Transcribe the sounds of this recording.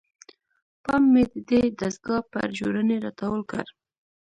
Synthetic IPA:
pɑmːed̪əd̪ed̪asɡɑpə̰ɾʒoɾəneɾɑ̰t̪awəlka̰ɾ

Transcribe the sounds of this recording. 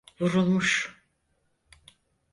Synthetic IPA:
vuɾulˠmuʃ

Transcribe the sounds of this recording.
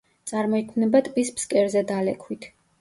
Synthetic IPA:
t̪sʼaɾmɔikʰmnɛbat̪ʼpʼispskʼɛɾzɛd̪alɛkʰwit̪ʰ

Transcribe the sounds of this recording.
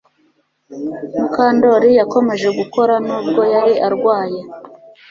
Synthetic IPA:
mukaːndo̞ɾijako̞me̞ʒe̞ɡuko̞ɾanuːb̚ɡo̞jaɾiʔaɾɡwaːje̞

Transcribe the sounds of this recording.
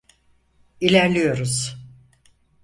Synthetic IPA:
ilʲæɾlʲijo̞ɾuz̥

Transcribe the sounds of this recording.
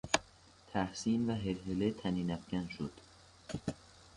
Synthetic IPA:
t̪ʰæhsiːnvæɦeɾɦelet̪ʰæniːnæfɟænʃod̪̥

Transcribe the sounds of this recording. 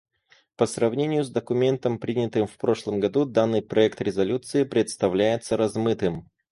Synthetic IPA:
pəsrɐvnʲenʲɪjʊzd̪əkʊmʲe̞nt̪əmpɾʲinʲɪt̪ɨmfpɾo̞ʂlˠəmɡɐd̪ud̪anːɨjpɾɐɛkt̪ɾʲɪzɐlʲut̪sɨɪpɾʲɪt̪st̪ɐvlʲæjɪt̪səɾɐzmɨt̪ɨm

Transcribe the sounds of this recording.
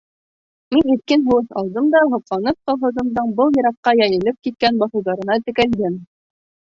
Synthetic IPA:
minit̪̚kɘnɦɤ̆wɤsɑlˠd̪ɤmd̪ɑɦɤ̆qlˠɑnɤp̚qɑ̆lˠɦɤ̆ðɤ̆md̪ɤɴbɤlˠjɤ̆ɾɑqːɑjæjɘ̆lɘp̚kit̪̚kænbɑθɤ̆wðɑɾɤ̆nɑt̪ɘ̆kæld̪ɘm

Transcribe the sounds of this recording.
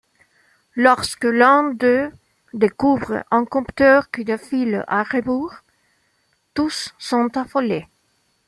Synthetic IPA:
lɔʁskəlɛ̃d̪ø | d̪ekuvʁə̰ʔɑ̃kɔ̃py̥t̪œʁkynəfila̰ʁebuʁ | t̪usːɔ̃nt̪afole

